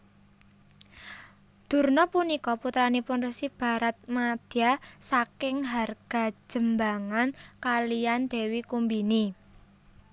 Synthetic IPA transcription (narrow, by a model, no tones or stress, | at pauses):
d̪̥ṳrnɔpunikɔput̪ɾanipʊnresib̥a̤ɾat̪̚mad̪̥iasakɪŋɦarɡ̥a̤̥d͡ʒʒ̥ə̤mbaŋankalijand̪̥ɛ̤wikumbini